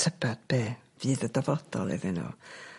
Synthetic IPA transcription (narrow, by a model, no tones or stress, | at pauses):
tʰəbad̥̚b̥eːvɨːðədavɔd̥ɔ̰lˠɛ̰vɪno̰